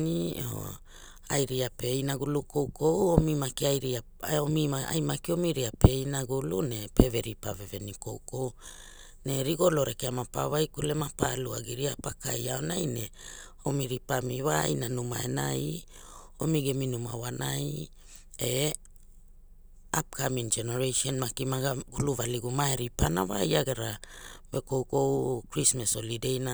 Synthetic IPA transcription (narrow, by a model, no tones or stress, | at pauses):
nioo̰ | ajɾiapeinaɡulukowkʰo̞womimakiajɾia | aomiaa̰jmakiomiɾiape̞inaɡulunepeveɾipa̰veve̞niko̰wko̞w | neɾiɡo̞loɾekeamapa̰vajkulemapalua̰ɡiɾiapakajaonajne | o̞miɾipamiwajnanuma̰ḛnaj | o̞miɡeminumawanʔaj | e | ap̚kamiŋd͡ʒeneɾejʃonmakimaɡaɡuluvaliɡumaeɾipana̰wa̰jaɡeɾawe̞ko̞wko̞wkɾismaso̞lidejna